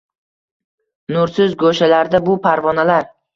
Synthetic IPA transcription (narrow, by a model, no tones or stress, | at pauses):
nʊɾsɪzɡoʃalaɾd̪abʊpʰaɾvɒnalaɾ